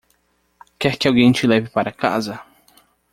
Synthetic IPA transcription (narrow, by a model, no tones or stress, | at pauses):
kɛɾkɪawɡẽj̃t͡ʃɪlɛvɪpaɾɐka̰zɐ